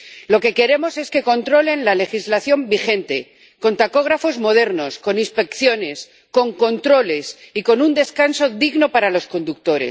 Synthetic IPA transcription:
lo̞ke̞ke̞ɾe̞mo̞se̞ske̞ko̞nt̪ɾole̞nlale̞xizlaθjo̞mbixe̞nt̪e̞ | ko̞nt̪ako̞ɣ̞ɾafo̞zmo̞ð̞e̞ɾno̞sko̞nĩnspe̞kθjo̞ne̞s | ko̞ŋko̞nt̪ɾo̞le̞siko̞nund̪e̞skanso̞ðiɣno̞paɾalo̞sko̞nd̪uk̚t̪o̞ɾḛs

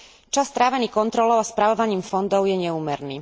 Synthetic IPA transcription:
t͡ʃast̪ɾaːʋɛniːkɔnt̪ɾɔlɔʊaspɾaʋɔʋaɲiːmfɔnd̪ɔʊjɛɲɛuːmɛɾniː

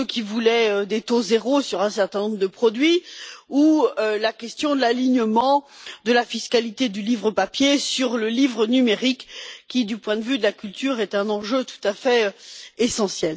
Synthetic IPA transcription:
əkʲivulɛød̪et̪ozeʁosyʁɛ̃sɛʁt̪ɛ̃nɔ̃bʁəd̪əpχɔd̪ɥiuølakʲɛst̪jɔ̃d̪əlaliɲəmɑ̃d̪əlafiskalit̪ed̪ylivʁəpapjesyʁləlivʁənymeʁikːʲid̪ypwɛ̃d̪əvyd̪əlakʲylt̪yʁɛt̪ɛ̃nɑ̃ʒøt̪u̥t̪afɛesɑ̃sjɛl

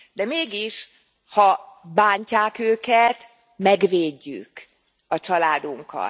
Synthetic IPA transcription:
d̪ɛmeːɡiʃ | hɒbaːɲcaːkøːkɛt̪ | mɛɡveːɟːy̰k | ɒt͡ʃɒlaːd̪uŋkɒ̰t̪

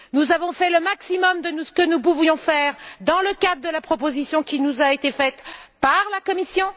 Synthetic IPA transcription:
nuzavɔ̃fɛləmaksimɔmd̪ənusə̥kənup̬uvjɔ̃fɛʁd̪ɑ̃ləkad̪ʁəd̪əlapχɔpozisjɔ̃kʲinuzaet̪efɛt̪paʁlakɔmisjɔ̃

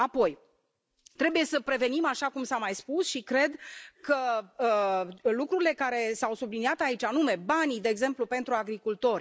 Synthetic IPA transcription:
apo̞j | t̪ɾe̞buje̞səpɾe̞ve̞nimaʃakumsamajspusʃikɾe̞d̪kə | lukɾuɾile̞kaɾe̞sawsubliniat̪ait͡ʃʲanume̞banid̪e̞ːɡze̞mplupe̞nt̪ɾuaɡɾikult̪o̞rʲ

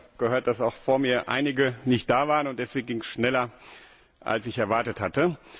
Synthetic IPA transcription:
ɡ̥əhøːɐt̚d̥asaʊxfoːɐmiːɐʔa̰ɪnɪɡənɪçt̚d̥aːvaːʁənʊntd̥ɛsv̥eːɡŋ̩ɡɪŋsʃnɛlɐ | ʔa̰lsɪçɛɐvaɐtəthatə

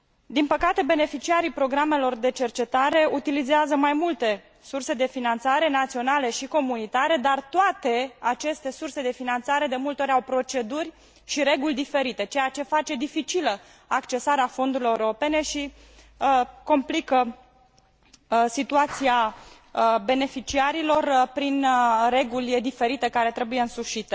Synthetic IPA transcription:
d̪inpəkat̪e̞be̞ne̞fit͡ʃiaɾijpɾo̞ɡɾame̞lo̞rd̪e̞t͡ʃe̞rt͡ʃe̞t̪aɾe̞ut̪ilizeazəmajmult̪e̞ | surse̞d̪e̞finant̪saɾe̞nat̪sio̞nale̞ʃiko̞munit̪aɾe̞d̪art̪oat̪e̞at͡ʃe̞st̪e̞surse̞d̪e̞finant̪saɾe̞d̪e̞mult̪eo̞ɾʲawpɾo̞t͡ʃe̞d̪urʲ | ʃiɾe̞ɡulʲd̪ife̞ɾit̪e̞t͡ʃejat͡ʃe̞fat͡ʃe̞d̪ifit͡ʃilə | akt͡ʃe̞saɾeafo̞nd̪uɾileuɾɾo̞pe̞ne̞ʃi | ko̞mplikə | sit̪uat̪sia | be̞ne̞fit͡ʃiaɾilo̞rpɾinre̞ɡulʲd̪ife̞ɾit̪e̞kaɾe̞t̪ɾe̞buje̞ɨnsuʃit̪e

